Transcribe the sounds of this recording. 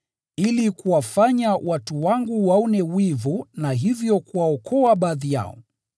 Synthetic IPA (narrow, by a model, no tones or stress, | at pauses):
ilikuwafaɲawʔatuwaŋɡuwaɔnɛwivunaɦivjɔkuwaɔkʰɔaɓaðija̰ɔ̰